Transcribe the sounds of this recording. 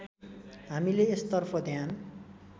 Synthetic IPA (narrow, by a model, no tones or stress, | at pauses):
ɦamileːst̪ʌrpʰʌd̪ʱjan